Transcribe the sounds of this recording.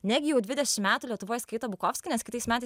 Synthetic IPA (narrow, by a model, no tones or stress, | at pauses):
nʲæɡʲɪjɛʊd̪ʲʋʲɪd̪ʲɛʃʲɪmmʲæːt̪uːlʲiɛt̪ʊʋoːjɛskɐɪt̪oːbʊkoːfʲsʲkʲɪnʲɛskʲɪt̪ɐɪsmʲæːt̪ɐɪ